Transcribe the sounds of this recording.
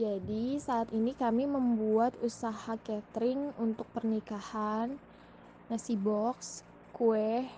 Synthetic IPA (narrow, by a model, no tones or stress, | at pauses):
d͡ʒadisaːt̪inikamiməmbuat̪usahakɛt̪ɾɪŋunt̪ʊk̚pərnikahanː | asibɔks | kuɛh